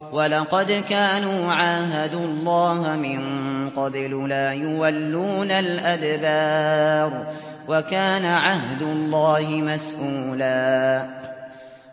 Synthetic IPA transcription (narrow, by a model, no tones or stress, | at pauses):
walɑqɑd̪kaːnuːʕaːɦad̪ʊlˤːaːhmɪnqɑbllaːjʊwalːuːnalʔad̪bɑːɾˤwakaːnaʕaɦd̪ʊlˤːɑːhɪmasʔuːlaː